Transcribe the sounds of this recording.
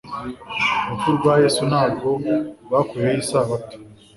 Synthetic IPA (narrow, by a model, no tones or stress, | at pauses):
mufuɾuɡwajeːsunaːbɡo̞βaːkuɾejejiːsaːβatu̥